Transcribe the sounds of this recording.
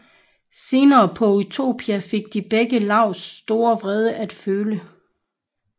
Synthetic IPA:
se̝ːnɐːpʰɒ̽ut͡sʰo̝̰ːb̥ʰiæfe̝ɡ̥̚d̥ib̥eɡ̥əlɑ̈ʊ̰sd̥o̝ːɐʋʁɛð̞ˠəʔæd̥føːlə

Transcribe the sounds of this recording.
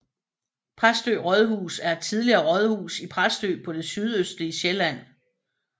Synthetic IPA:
pʰʁasd̥ø̰ːʁɒð̞ˠɦṵːsæɐe̥t͡sʰiðˠliɐːʁɒð̞ˠhṵːsipʰʁasd̥ø̰ːpʰɒ̽d̥e̝syð̞ˠøsd̥liəɕelæn̰

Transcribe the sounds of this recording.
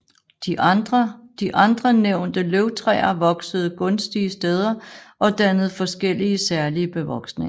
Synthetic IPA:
d̥id̥ʁd̥iʔɑ̈nd̥ʁɐneʊ̰nd̥əløʊt͡sʰʁɛ̰ːɐʋɒ̽ɡ̥səð̞̩ˠɡ̥ɔ̽nsd̥iəsd̥eð̞ˠɐʔɒ̽d̥ænəð̞̩ˠfɒ̽sɡ̥el̰iəsæɐliəb̥e̝ʋɒ̽ɡ̥sneŋɐ

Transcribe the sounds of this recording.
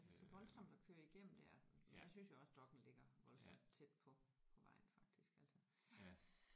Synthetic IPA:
ælsəsɒʋɒ̽lsɒ̽m̰d̥ɒkʰøːɐiɡ̥em̰n̩d̥æɐ̰menjæsynsjoɒ̽sd̥ɒ̽ɡ̥n̩le̝ɡ̥ɐʋɒ̽lsɒ̽m̰d̥t͡sʰed̥̚pʰɒpʰɒ̽ʋɑ̈ɪ̰nfɑ̈ɡ̥̚d̥isɡ̥æl̰sʰi

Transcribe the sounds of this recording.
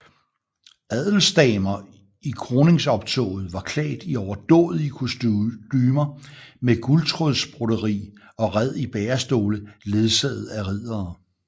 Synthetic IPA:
æð̰ˠl̩sd̥ɛːmɐ | ikʰʁo̝ːne̝ŋsɒ̽b̥t͡sʰo̰ːð̞̩ˠʋɑ̈kʰlɛ̰ːd̥iɒʊɐd̥ɔ̰̽ːð̩ˠikʰusd̥yːmɐmeɡ̥ult͡sʰʁoðˠsb̥ʁoɾ̥əʁḭː | ɒ̽ʁæð̞̰ˠib̥ɛːɐsd̥o̝ːləle̝ð̞ˠsɛðð̩ˠæʁið̰ˠɐː

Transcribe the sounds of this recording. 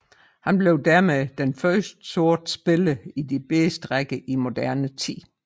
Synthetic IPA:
hænb̥le̝ʊd̥æɐ̰meðd̥enfɶɐsd̥so̝ɐd̥sb̥e̝ləid̥ib̥esd̥ʁaɡ̥əʔimo̝d̥æɐnət͡sʰḭː

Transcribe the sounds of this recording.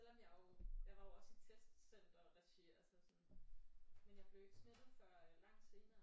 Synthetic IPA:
el̰ɒ̽mjɑ̈ɪojɑ̈ɪʋɑ̥̈oɒ̽sit͡sʰesd̥sen̰d̥ɒ̽ʁæɕeɐsɒsɔn | menjɑ̈ɪb̥le̝ʊeɡ̥sneð̥ð̩ˠfɶɐlɑ̈ŋ̰d̥se̝ːnɐː

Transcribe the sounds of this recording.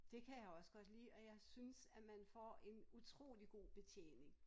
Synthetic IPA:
d̥e̝kʰæjɑ̈ɪɒ̽sə̥ɡ̥ɒ̽d̥lḭːɒ̽jɑ̈ɪsynsæmænfɒ̰e̝nut͡sʰʁo̝̰ːliɡ̥o̝̰ːb̥e̝t͡sʰjḛːne̝ŋ

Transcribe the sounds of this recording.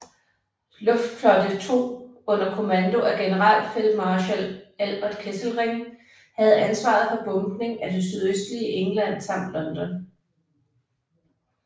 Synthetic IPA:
lɔ̽fd̥flɒ̽d̥ət͡sʰo̝̰ːɔ̽n̰ɐkʰo̝mænd̥o̝ʔæɡ̥e̝nəʁɑ̰̈l̰̥fe̝l̥mɑ̈ːɕælælb̥ɐd̥ˠkʰesl̩ʁeŋ | hæð̞̩ˠænsʋɑ̰̈ð̞̩ˠfɒ̽b̥ɔ̽mɡ̥ne̝ŋæd̥ensyð̞ˠøsd̥liəʔeŋlæn̰sɑ̈m̰d̥lɒ̽nd̥ɒn

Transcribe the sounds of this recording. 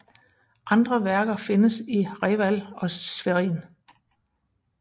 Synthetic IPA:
ʔɑ̈nd̥ʁɐʋæɐɡ̥ɐfe̝nəsiʁɛːʋælɒ̽sʋeʁḭːn

